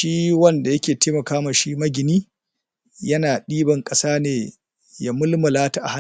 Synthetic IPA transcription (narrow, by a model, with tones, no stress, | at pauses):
ʃiː˦wɐ˦nda˨jɐ˦kʲeː˨teː˦mɐ˨kaː˦maː˨ʃi˦mɐ˦ɡʲɪ˨niː˦ | jɐ˦naː˨ɗiː˦bɐ˨ŋkʼɐ˦saː˦neː˨ | ja˦mʊ˦lmɐ˨laː˦ta˦ʔa˨ha˦